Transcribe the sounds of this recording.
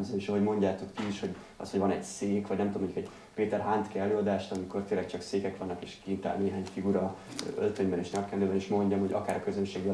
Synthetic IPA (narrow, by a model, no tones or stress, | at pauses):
bzɛniʃoɦo̞ɟmo̞ɲɟaːt̪o̞kːiiʃho̞ɟ | ɒ̰shoʋɒnɛ̰ɟseːkʋɒɟnɛmt̪uomoɲɟukɛɟ | peːt̪ɛrɦaːnt̪kiɛløːɒd̪aːʃt̪ɒmiko̞rt̪eːlːɛk̚t͡ʃɒkseːkɛkʋɒnːɒkḛːʃkint̪a̰ːlneːɦaːɲfiɡuɾɒø̰lt̪øɲbɛneːʃnɛkkɛldøːbɛniʃmo̞ɲɟɒmho̞ɟɒ̰kaːɾɒkø̞zønʃeːɡjɒ